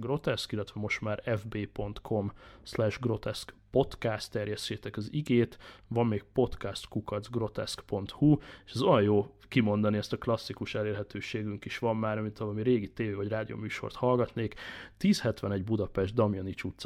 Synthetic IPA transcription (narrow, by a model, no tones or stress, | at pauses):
ɡro̞t̪ɛskilːɛt̪ʋɛmo̞ʃt̪maːɾɛvbeːpo̞nt̪kʰo̞mslɛʒɡro̞t̪ɛskpo̞t̪kast̪ːɛrjɛsːeːt̪ɛkɒziɡeːt̪vɒmːeːk̚po̞t̪kɛst̪kukɒd̪zɡro̞t̪ɛ̰skpo̞nt̪hue̥ʃɛzo̞jɒjjoː | kimo̞nd̪ɒniɛst̪ɒklɒsːikuʃɛleːrɦɛt̪øːʃeːɡyŋkiʃʋɒmːaːɾɒmint̪ʰɒlɒmiɾeːɡit̪eːveːvɒɟraːd̪ijo̰ːmyːʃo̞̰rt̪hɒlɡɒt̪neːkt̪iːshɛt̪ʋɛnɛɟbud̪ɒpɛʒd̪̚d̪ɒmjonit͡ʃuːt̪s